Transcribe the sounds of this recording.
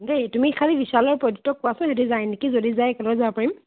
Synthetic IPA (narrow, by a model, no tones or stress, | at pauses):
dejtumikʰalibisalɔɹpɹodutːɔkːʊwasʊ̃ɦɛdizajnikizodizajɛkɛlɔɔzaapaɹim